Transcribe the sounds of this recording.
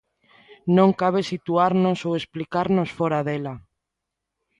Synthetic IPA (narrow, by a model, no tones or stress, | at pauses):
nõŋkaβesit̪uaɾnosowesplikaɾnosfoɾaðela